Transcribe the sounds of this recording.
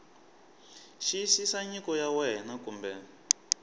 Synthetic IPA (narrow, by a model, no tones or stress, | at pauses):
ʃisisaɲikɔjawɛnakumbɛ